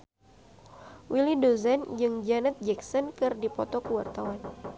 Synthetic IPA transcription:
wilidozand͡ʒɨŋd͡ʒanət̪̚d͡ʒɛksɔnkɨrdipɔt̪ɔkəwart̪awan

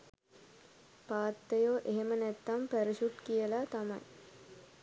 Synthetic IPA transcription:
paːt̪ːəjoːʔeɦemənæt̪ːampæɾiɕuʈ̪kijəlat̪ama̰j

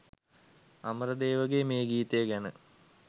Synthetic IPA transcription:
aməɾəd̪eːʋəɡemeːɡiːt̪ejɡænə

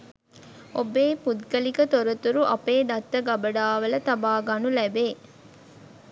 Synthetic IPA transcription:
ʔobeːpud̪ɡəlikət̪oɾɐt̪uɾuʔɐpeːd̪ɐt̪ːɐɡɐbɐɖaːʋɐlɐt̪ɐbaːɡɐnulɛbeː

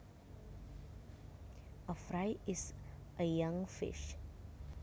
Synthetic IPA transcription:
əfɾajɪsʔəjãŋfɪ̰ʃ

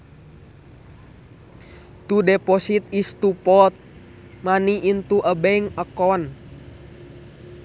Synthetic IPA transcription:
t̪udɛpɔsit̪̚ist̪upɔt̪̚ | maniint̪uʔəbɛŋəkɔn

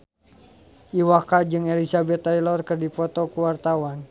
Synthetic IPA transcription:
ʔiwakad͡ʒɨŋɛlisabɛt̪ːailɔrkɨrdipɔt̪ɔkuwart̪awan

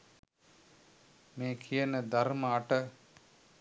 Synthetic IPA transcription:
meːkʰijənəd̪aɾməaʈə

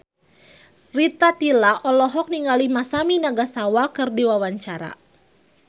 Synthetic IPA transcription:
rit̪atilaʔɔlɔɦɔk̚niŋɡalimasaminaɡasawakɨrdiwawaɲt͡ʃaɾa̰

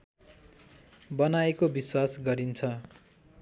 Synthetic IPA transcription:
bʌnaekobiswasɡʌɾint͡sʰʌ

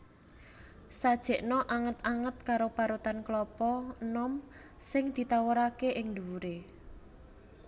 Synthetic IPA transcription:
sad̥ʒ̥ɛ̤ʔnɔʔaŋət̪aŋət̪̚kaɾopaɾut̪anklɔpɔnɔm | sɪŋd̪̥i̤t̪awəɾakeʔɪŋnd̪uɾe

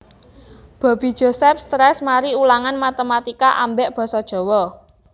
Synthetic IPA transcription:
b̥a̤b̥i̤d̥ʒ̥o̤sɛpst̪ɾɛsmaɾiulaŋanmat̪əmat̪ikaʔambɛʔb̥ɔ̤sɔd̥ʒ̥ɔ̤wɔ

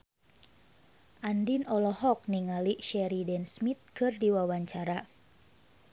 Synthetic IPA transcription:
ʔandinɔlɔhɔk̚niŋaliʃɛɾidɛnsmit̪̚kɨrdiwawaɲt͡ʃaɾa

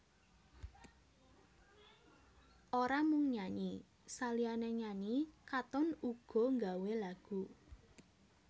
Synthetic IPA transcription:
ʔoɾamʊŋɲaɲi | salianɛɲaɲikat̪ʊnuɡ̥ɔ̤ŋɡawelaɡ̥ṳ

